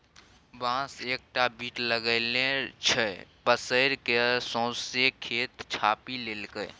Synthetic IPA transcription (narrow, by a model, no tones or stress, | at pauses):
bãːseːk̚ʈabiːʈləɡəlẽt͡ʃʰɛpəsəɪɾkesɔ̃ːsekʰeːt̪t͡ʃʰaːpileːlkə